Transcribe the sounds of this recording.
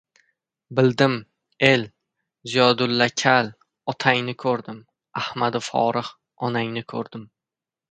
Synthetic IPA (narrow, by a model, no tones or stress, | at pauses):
bɪld̪ɪm | e̞l | zijɒd̪ʊlːakʲʰal | ɒt̪ʰaŋnɪkʰɵɾd̪ɪm | ahmad̪ɪfɒ̰ɾɨh | ɒnaŋnɪkʰɵɾd̪ɪm